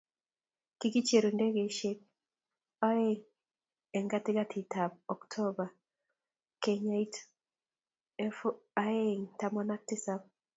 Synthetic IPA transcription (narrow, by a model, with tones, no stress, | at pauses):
kɪ˦ɡi˦t͡ʃe˨ɾo˨nde˦ɡe˨ʃe˦k̚ | a˦e˦ŋ | ɛ˨ŋɡa˦tɪ˦ɡa˦tʰɪ˨tʰa˨bɔ˨ktʰɔ˦ba˨ | ke˨ɲa˨i˦t | fa˦e˦ŋta˦mɔ˦na˦k̚tɪ˦sa˦b̚